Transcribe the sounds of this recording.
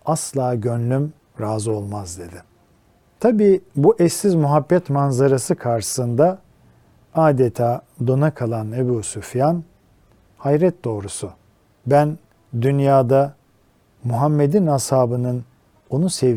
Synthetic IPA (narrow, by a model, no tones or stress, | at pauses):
aslˠaːɟønlʲym | ɾaːzɯo̞lˠmazd̪e̞d̪ɪ | t̪ʰabiːbuʔɛsːizmuɦabːɛt̪manzaɾasɯkʰaɾʃɯ̥sɯnd̪a | aːd̪et̪ʰaːd̪o̞nakʰalˠanebuːsufjan | hajɾɛt̪̚d̪o̞ːɾusu | bæn | d̪ynjaːd̪a | muɦamːe̞d̪inhashaːbɯnɯn | o̞nuse